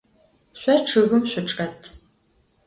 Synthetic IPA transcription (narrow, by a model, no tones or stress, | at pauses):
ɕʷɔʈ͡ʂʰɨɣɨmɕʷɔʈ͡ʂʼɐtʰ